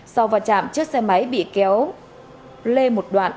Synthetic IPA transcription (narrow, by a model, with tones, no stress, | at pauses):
sa˧wvaː˨˩t͡ɕa̰ː˧˨mt͡ɕɨ˦˥ək̚sɛ˧mə˨˦jɓḭ˧˨kɛ˨˦w | le˧mo˨˩t̚ɗwa̰ː˧˨n